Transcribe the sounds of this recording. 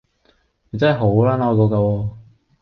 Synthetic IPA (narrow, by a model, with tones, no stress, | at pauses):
ne˨˧t͡sɐ˥˨ɦo˨˥wlaː˥nɔː˧t̪̬oː˧kaː˧wɔː˧